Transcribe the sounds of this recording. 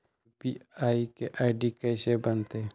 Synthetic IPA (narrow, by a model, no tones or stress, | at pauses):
piaːikeʔaɪɖikəsebənt̪e